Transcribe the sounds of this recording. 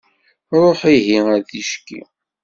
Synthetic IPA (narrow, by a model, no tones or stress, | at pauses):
ɾˤoħiɦiæɾθiʃkːḭ